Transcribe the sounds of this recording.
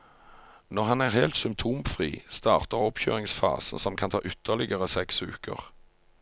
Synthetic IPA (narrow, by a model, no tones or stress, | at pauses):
nɔʁhɑnæːʁheːlt̪sʏmp̚t̪ʰuːmfʁiːst̪ɑːʁt̪əʁɔpçø̰ːʁɪŋsfɑ̰ːsn̩sɔmkʰɑnt̪ʰɑ̰ːʔʏt̪ʰəʁlɪɡəʁəsɛksʋʉ̰ːkʰə̰ʁ